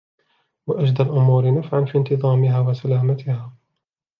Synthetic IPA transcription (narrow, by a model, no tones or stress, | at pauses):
waʔad͡ʒd̪alʔʊmuːɾɪnafʕanfiːnt̪ɨðˤɑːmɪɦaːwasalaːmat̪ɪhaː